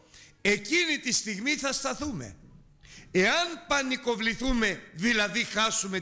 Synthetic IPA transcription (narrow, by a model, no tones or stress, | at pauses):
e̞cinit̪ist̪iɣmiθɐst̪ɐθume̞̰ | eɐnpɐniko̞vliθume̞ðilɐðixɐsume̞